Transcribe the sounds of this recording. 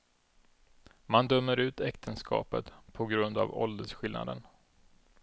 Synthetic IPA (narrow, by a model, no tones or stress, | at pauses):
mand̪œmːəɾʉ̟ːt̪ɛkt̪ʰənskʰɑ̰ːpət̪pʰɔɡɾɵnd̪a̰vɔld̪əʂɧɪlna̰d̪ən